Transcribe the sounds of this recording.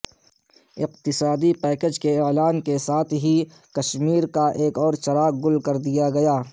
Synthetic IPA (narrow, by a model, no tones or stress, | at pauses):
ɪq̚t̪ɪsaːd̪ipɛːked͡ʒkeelaːnkesaːt̪ʰɦi | kɐʃmiːɾkaʔeːkɔːɾt͡ʃɐɾaːɡ̚ɡʊlkɐɾd̪ijaɡɐjaː